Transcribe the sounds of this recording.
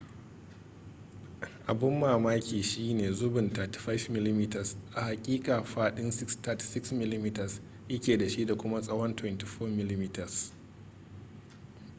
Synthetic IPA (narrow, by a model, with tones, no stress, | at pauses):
ʔa˨bɪ˦mːaː˨maː˦kʲiː˨ʃiː˦neː˨zʊ˦bɪ˨ntaː˨ti̥˨ɸa˦fmɪ˦li˦miː˦tɐ˨sʔa˨ha˨kʲʼiː˦kʼaː˨ɸaː˦ɗɪ˦nsɪ˦kstʰaː˦ti̥˨sɪ˦ksmɪ˦li˦mi˦tɐ˨s | ʔɪ˦kʲeː˨da˨ʃi˦da˨kʷʊ˦ma˦sʼɐ˦wɔ˦ntwɛ˦nti˨ɸoː˦mɪ˦li˦mi˦tɐ˨s